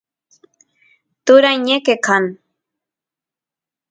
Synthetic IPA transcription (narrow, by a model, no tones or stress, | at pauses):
t̪ʊɾajɲekekan